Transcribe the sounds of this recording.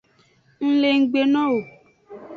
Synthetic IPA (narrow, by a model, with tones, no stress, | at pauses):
n̩˦le˦˨ŋ̩˦ɡ͡be˨nɔ̃˦wo˨